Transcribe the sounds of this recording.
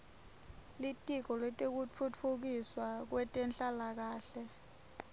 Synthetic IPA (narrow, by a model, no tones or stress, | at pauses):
litʼik̬ɔlwɛtʼek̬ut͡fʰut͡fʰuk̬iswak̬wɛtʼɛnɬalak̬aːɬɛ